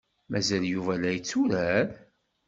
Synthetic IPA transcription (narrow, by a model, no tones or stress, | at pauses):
mæzæljuvælæjət͡sːuɾæɾ